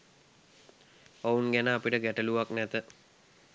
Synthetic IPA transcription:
ounɡænəapiʈəɡæʈəluʋaknɛt̪ə

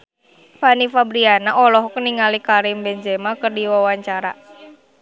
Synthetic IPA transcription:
fanifabɾianaʔɔlɔɦkniŋalikaɾɪmbɛɲd͡ʒɛmakərdiwawaɲt͡ʃaɾa̰

